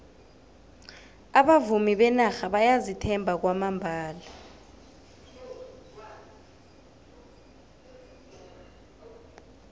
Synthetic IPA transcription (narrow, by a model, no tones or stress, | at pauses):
aɓavumiɓɛnaxaɓajazitʰɛmbʱak̬wamambʱaːla